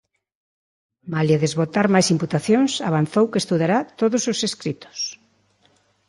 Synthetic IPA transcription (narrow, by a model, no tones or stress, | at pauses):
malaðezβot̪aɾmajsimput̪aθjoŋsaβ̞an̟θowkest̪uðaɾat̪oðʊsoseskɾit̪o̥s